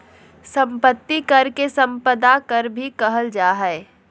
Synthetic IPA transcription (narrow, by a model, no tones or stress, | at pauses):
sɐ̃mpət̪ːikɐɾkesɐ̃mpəd̪akəɾbʱikɐɦəld͡ʒaːɦɛe